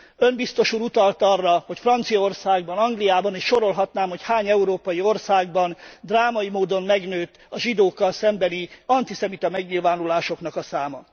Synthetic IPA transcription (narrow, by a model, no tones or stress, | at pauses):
ø̞mbist̪o̞ʃuːɾut̪ɒlt̪ɒrːɒho̞cfrɒnt̪sijɒo̞rsaːɡbɒnɒŋɡlijaːbɒniːʃʃo̞ɾo̞lɦɒt̪naːmho̞chaːɲɛuɾoːpɒjio̞rsaːɡ̚bɒnd̪raːmɒjimoːd̪o̞mmɛɡnøːt̪ː | ɒʒid̪oːkːɒlsɛmbɛniɒnt̪isɛmit̪ɒmɛɡɲilvaːnulaːʃo̞knɒkɒsaːmɒ